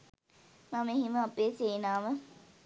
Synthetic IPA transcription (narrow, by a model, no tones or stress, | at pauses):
mameɦiməapeːseːnaːʋə